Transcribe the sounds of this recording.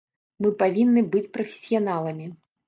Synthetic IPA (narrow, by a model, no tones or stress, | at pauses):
mɨpavʲinːɨbɨt͡sʲpɾɐfʲɪ̥sʲijanalˠɐmʲi